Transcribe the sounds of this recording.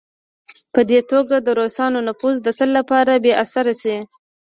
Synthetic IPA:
pəd̪et̪oɡad̪əɾosɑnonapuzd̪ət̪əlːapɑɾabeʔasaɾasi

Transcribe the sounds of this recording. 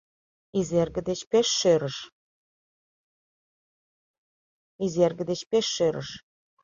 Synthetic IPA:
izerɡə̆d̪et͡ɕpeʃːøɾəʃ | izerɡə̆d̪et͡ɕpeʃːøɾə̰ʃ

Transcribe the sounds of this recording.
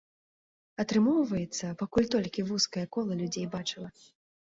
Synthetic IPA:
ɐt̪ɾɨmɔwvɐjɛt̪sːɐpakulʲt̪ɔlʲkʲivuskɐjɐkɔlˠɐlʲud͡zʲejbat͡ʂɨlˠɐ

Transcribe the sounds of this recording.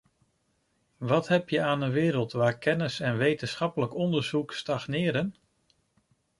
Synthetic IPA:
ʋɑtɦɛpjəaːnənʋɪːɾəlˠtʋaːɹkɛnəsɛnʋejtənsχɑpələkɔndəɹzukstɑχnɪːɾən

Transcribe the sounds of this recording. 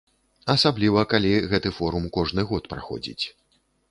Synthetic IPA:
ɐsablʲivɐkalʲiɣɛt̪ɨfɔɾumkɔʐnɨɣɔt̪pɾa̰xɔ̰d͡zʲḭt͡sʲ

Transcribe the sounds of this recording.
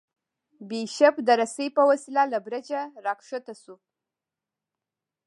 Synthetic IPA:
biʃapd̪əɾasəjpəwasilalabɾad͡ʒaɾɑkʂət̪asu

